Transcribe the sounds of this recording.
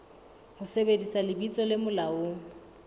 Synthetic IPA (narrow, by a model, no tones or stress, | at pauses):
hʊsebedisalɪbit͡sʼɔlɪmʊlao